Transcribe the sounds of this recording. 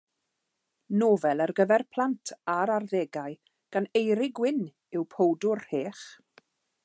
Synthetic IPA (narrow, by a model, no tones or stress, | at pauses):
noːvɛlˠɛrɡəvɛrpʰl̥ˠantʰaɾarðeːɡaj | ɡ̥anejɾɪɡwɪn | ɪwpʰowdʊrheːχ